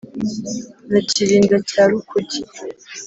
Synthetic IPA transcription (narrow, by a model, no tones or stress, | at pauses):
naciɾiːŋɡacaːɾukʰuci